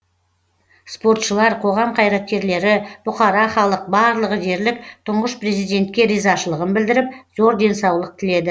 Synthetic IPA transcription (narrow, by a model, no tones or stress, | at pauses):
spo̞ɾt̪ʃəlˠɑɾqʰo̞ʁɑmqʰɑjɾɑt̪̚kʲe̞ɾle̞ɾɪb̥ʊqɑɾɑχɑlˠəq̚bɑɾlˠəʁəʒe̞ɾlɪk̚t̪ʰʊɴʁəspɾe̞zijd̪e̞nt̪kʲe̞ɾijzɑʃəlˠəʁənbɪld̪ɪɾɪp̚zo̞ɾd̪e̞nsɑwlˠəq̚t̪ʰɪle̞d̪ɪ